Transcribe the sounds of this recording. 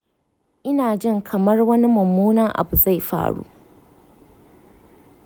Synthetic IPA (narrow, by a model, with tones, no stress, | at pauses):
ʔɪ˦naː˨d͡ʒɪ˦ŋkʰɐ˨mɐ˦rwɐ˦ni˦mʊ˨mːuː˦naː˦ʔa̰˨bu˨za˦˨jɸa̰ː˦˨ɽṵː˦ʔ